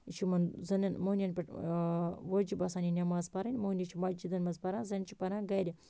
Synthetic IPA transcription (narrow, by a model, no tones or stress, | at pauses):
it͡ʃʰimɐnzɐnɐnmoːnʲɐnʲpʲɐʈ | ʋod͡ʒibɐsaːnʲinʲɐmaːzpɐɾɐnʲmoːnʲit͡ʃʰimɐd͡ʒid̪ɐnmɐzpɐɾãnzɐnʲt͡ʃʰi̥pɐɾãːnɡɐɾʲi